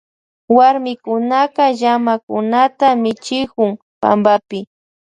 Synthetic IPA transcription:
waɾmɪkʊnaqɑʒamakʊ̰nat̪amɪt͡ʃɪkʊŋ | pa̰mbapɪ

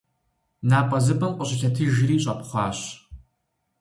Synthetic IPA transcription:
naːpʼɐzɨbʼɐnqʷʼɔɕʼɪt͡ʃʰɐtʰiːʒɪɾiːɕʼɐpʰʼχʷɑːɕ

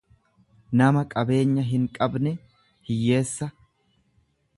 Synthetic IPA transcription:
nɐmɐkʼɐbe̞ːɲːɐɦɪŋkʼɐbnɛ | hɪjːe̞ːsːɐ

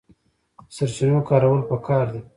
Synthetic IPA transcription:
saɾt͡ʃinajokɑːɾawəlpəkɑɾd̪e

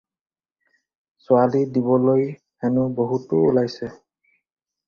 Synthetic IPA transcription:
sʊalidibɔloj | ɛnʊboɦutʊːlajsɛ

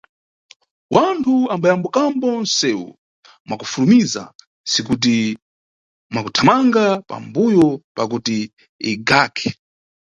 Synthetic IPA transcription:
wantʰuambajambukambɔn̩sɛwṵ | mwakufulumiza̰ | sikut̬i | mwakutʰamaŋɡapa̰mbujɔpakutiː | ɡakʰɛ̥

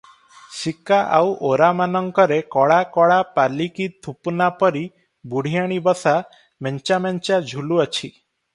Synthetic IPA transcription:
sikaʔa̰wʔoɾamanɔŋkɔɾekɔɭakɔɭapalikit̪ʰupnapɔɾi | buɽ̤ijaɽ̃ibɔsa | mɛnt͡ʃamɛnt͡ʃad͡ʒʱuluɔt͡ʃʰi

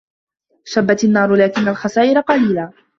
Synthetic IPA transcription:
ʃabːat̪anːɑːɾˤʊlaːkɪnːalxɑsaːʔɪɾaqɑliːlaː

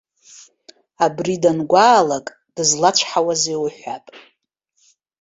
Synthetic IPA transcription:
abridanɡʷaːlakʼ | d̥ɨzlat͡ʃʷʰħawazewħʷapʼ

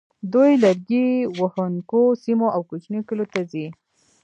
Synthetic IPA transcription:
d̪ujlaɾɡiwəhənkosimoʔawkut͡ʃnikəlot̪azi

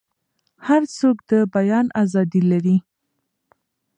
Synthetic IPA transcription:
haɾt͡sokd̪əbajɑnazɑd̪ilaɾi

